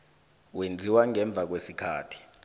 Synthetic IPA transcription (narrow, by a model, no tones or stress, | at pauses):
wend͡zʱiwaŋɛɱb̪vʱak̬wesikʰaːtʰi̥